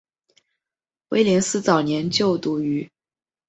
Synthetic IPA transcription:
we˧˥ɪli˧˥nsɹ̩˥t͡sɑ˨˩ʊnjɛ˧˥nt͡ɕjo˥˩ʊt̪u˧˥y˧˥

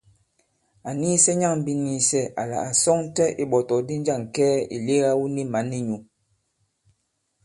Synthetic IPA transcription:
a˨ni˦sɛ˦ɲa˦˨ŋm̩˦bi˦˨ni˨sɛ˦ʔa̰˨la̰˨a˨sɔ˦ŋ˦tɛ˦ʔi˦ɓɔ˨tɔ˨di˦n˦d͡ʒa˦˨ŋ˨kɛː˦ḭ˨le˦ɣa˦wu˦ni˦ma˨˦ni˦ɲu˨

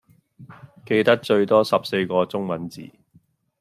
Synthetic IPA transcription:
ke˧jt̪ɐ˥k̚t͡ʃɵ˧ɥt̪ɔː˥sɐ˨p̚se˧jkɔː˧t͡sʊ˥ŋmɐ˨˥nt͡sḭː˨˩

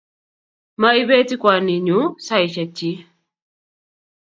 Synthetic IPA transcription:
ma˦i˦βɛ˦ti˦kwa˨ni˨ɲu˨˦sa˦i˨ʃa˨t͡ʃːi˦

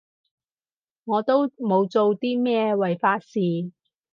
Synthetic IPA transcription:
ŋɔː˨˧t̪o˥wmo˨˧wt͡so˨˧wt̪iː˥mɛː˥wɐ˨˩jfaː˧t̚siː˨

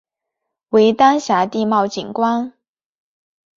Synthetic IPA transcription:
we˧˥ɪt̪a˥nɕja˧˥t̪i˥˧mɑ˥˩ʊt͡ɕi˨˩nkwa˥n

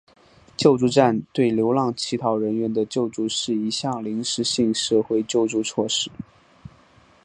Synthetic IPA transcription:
t͡ɕjo˥˧ʊʈ͡ʂu˥˧ʈ͡ʂa˥˧nt̪we˥˩ɪljo˧˥ʊlɑ˥˩ŋt͡ɕʰi˧˥t̪ʰɑ˧˥ʊɻə˧˥nɥɛ˧˥nd̪ə˧t͡ɕjo˥˧ʊʈ͡ʂu˥˧ʂɻ̩˥˩i˧˥ɕjɑ˥˩ŋli˧˥ŋʂɻ̩˧˥ɕi˥˧ŋʂɤ˥˧xwe˥˧ɪt͡ɕjo˥˧ʊʈ͡ʂu˥˧t͡sʰwɔ˥˧ʂɻ̩˥˩

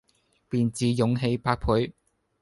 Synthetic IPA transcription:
piː˨nt͡siː˨˥jʊ˨˧˥ŋɦe˧jpaː˧k̚pʰuː˨˥j

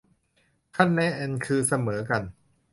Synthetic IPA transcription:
kʰa˥˩nːɛ˦˥ʔɛ˧nkʰɯː˧sa˧mɤː˩˦ka˧n

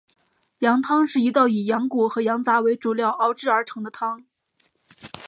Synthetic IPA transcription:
jɑ˧˥ŋt̪ʰɑ˥ŋʂɻ̩˥˩i˧˥t̪ɑ˥˩ʊi˨˩jɑ˧˥ŋku˨˩xɤ˧˥jɑ˧˥ŋt͡sa˧˥we˧˥ɪʈ͡ʂu˨˩ljɑ˥˩ʊʔɑ˥ʊʈ͡ʂɻ̩˥˩ə˞˧˥ʈ͡ʂʰɤ˧˥ŋd̪ə˧t̪ʰɑ˥ŋ

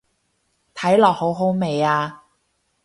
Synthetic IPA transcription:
t̪ʰɐ˨˥jlɔː˨˩k̚ho˨˥wɦo˨˥wme˨˩jaː˧

